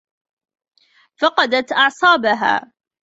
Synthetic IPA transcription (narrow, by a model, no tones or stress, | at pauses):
fɑqɑd̪at̪ʔɑʕsˤɑːbaɦa̰ː